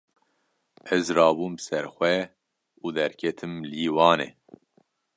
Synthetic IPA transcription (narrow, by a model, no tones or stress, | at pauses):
ɛzrɑːbuːmbɨsɛɾxʷɛ | uːd̪ɛɾkʰɛt̪ʰɨmliːwɑːnḛː